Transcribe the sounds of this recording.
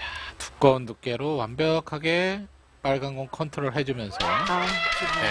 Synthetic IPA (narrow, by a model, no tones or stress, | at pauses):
tu̥k̚k͈ʌunːuk͈e̞ɾowanbjʌkʰaɡe̞ | p͈aɭɡanɡʌnkʰʌntʰɯɾoɭɦe̞d͡ʑumjʌnsʰʌ | e